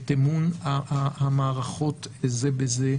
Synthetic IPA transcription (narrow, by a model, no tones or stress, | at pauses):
t̪emunaaamaːʁaχo̞t̪ezebeze